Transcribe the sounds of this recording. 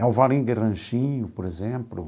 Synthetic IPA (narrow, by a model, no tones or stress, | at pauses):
ɛuvaɾĩɡeʁɐ̃ʃĩɲʊpoɾezẽmplṵ